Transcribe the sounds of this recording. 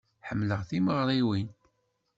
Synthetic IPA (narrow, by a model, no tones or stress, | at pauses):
ħəmːləʁθiməʁɾˤiwin